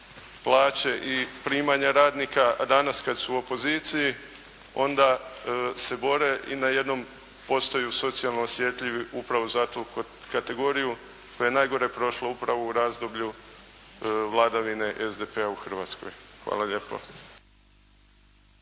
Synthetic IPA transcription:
plˠaːt͡ɕe̞ʔipɾiːmaɲaɾaːd̪nikad̪anaskad̪suuo̞po̞ziːt̪siji | o̞nd̪a | se̞bo̞ɾe̞ʔinaje̞d̪no̞m | po̞st̪ojuso̞t̪sialnoosje̞t̪ʎʲiʋiʔupɾaʋo̞zat̪u | kat̪e̞ɡo̞ɾiju | kojenajɡo̞ɾe̞pɾo̞ʃloupɾaʋo̞uɾaːzd̪o̞bʎu | ʋlˠad̪aʋine̞ʔezd̪epeauxrʋaːt̪sko̞̰jxʋa̰ːlˠaʎe̞po̰

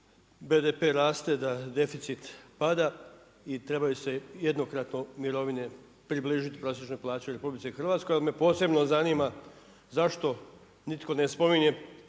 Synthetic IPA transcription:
be̞d̪epe̞ɾaːst̪e̞d̪ad̪e̞fit̪sit̪pad̪a | it̪ɾe̞bajuse̞jed̪no̞kɾat̪no̞miɾo̞ʋine̞ | pɾibliːʒit̪i̥pɾosje̞t͡ʃno̞jplˠaːt͡ɕeɾe̞publit̪eixr̩ʋaːt̪skojalime̞po̞ːse̞bno̞zaniːma | zaʃt̪o̞ | nit̪ko̞ne̞spo̞miɲe̞

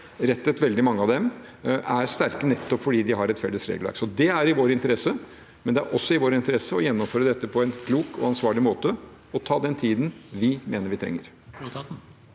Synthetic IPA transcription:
ɾɛt̪ːət̪ʋɛld̪ɪmɑŋːəɑʋd̪ɛmæɾst̪æɾkənɛt̪ːɔpfɔɖiːd̪ɪɦɑɾɛt̪fɛlːəsɾḛːɡəlʋæ̰ɾksɔd̪ɛæɾɪʋoːɾɪnt̪əɾɛsə | mɛnd̪ɛæ̰ɾʔɔsːɔɪʋoːɾɪnt̪əɾɛsːəɔjɛnːɔmføːɾəd̪ɛt̪ːəpʰɔɛɪnkʰluːkɔ̰ɑnsʋɑːɭɪmoːt̪ə | ɔt̪ʰɑːd̪ɛnt̪ʰiːd̪n̩ʋɪmeːnəɾʋɪt̪ʰɾɛ̰ŋːəɾ

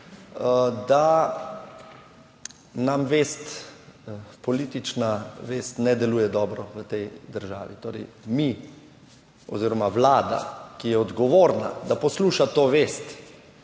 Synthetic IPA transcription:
əd̪a | namʋeːst̪ | pɔliːt̪it͡ʃnaʋeːst̪nɛd̪ɛluːjɛd̪ɔːbɾɔʋət̪ɛjd̪əɾʒa̰ːʋḭt̪oːɾɛ̰ɪmi | ɔ̰ziːɾɔmaʋlaːd̪a̰kijɛɔd̪ɡɔʋoːɾna̰d̪apɔsluːʃat̪oːʋeːst̪

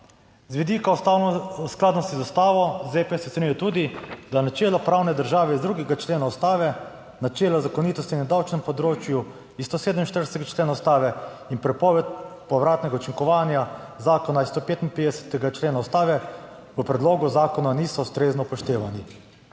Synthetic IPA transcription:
zʋid̪iːka | sklaːd̪nɔst̪izust̪aːʋɔzepesɛt̪enʲujɛt̪uːd̪id̪anat͡ʃeːlɔpɾawnɛd̪əɾʒaːʋɛizd̪ɾuɡɛɡat͡ʃleːnaust̪aːʋɛ | nat͡ʃeːlazakɔniːt̪ɔst̪inːɛd̪awt͡ʃnɛmpɔd̪ɾoːt͡ʃju | ist̪oseːd̪əminʃt̪əɾsɛɡat͡ʃleːnaust̪aːʋɛ | inpɾɛpɔːʋɛt̪̚pɔʋɾaːt̪nɛɡaut͡ʃiŋkɔʋaːnja | zaːkɔnaist̪opeːt̪inped̪ɛsɛ̥t̪ɛɡat͡ʃleːnaust̪aːʋɛ | ʋəpɾɛd̪loːɡuzaːkɔnanisɔust̪ɾeːznɔpɔʃt̪eːʋani

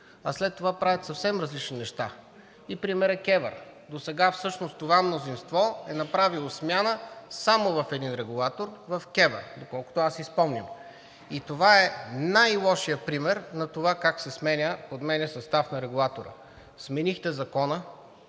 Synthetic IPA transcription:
ɐ̰slɛt̪ːovapɾavʲjət̪sɐfsɛmɾɐzlit͡ʃninɛʃt̪a | ipɾimɛɾɛkɛvə̰ɾd̪osɛɡafsɤʃnost̪ovamnozinst̪vɔɛnɐpɾavilˠosmʲjanəsamovɐfɛd̪inɾɛɡulˠat̪oɾvɐfkɛvə̰d̪okɔlˠkʊ̥t̪oasispɔmnʲim | it̪ovaɛnajlˠɔʃijəpɾimɛɾnɐt̪ovakaksɛsmɛnʲəpod̪mɛnɛsɐst̪afnɐɾɛɡulˠat̪oɾə̰ | smɛnixt̪ɛzɐkɔnə

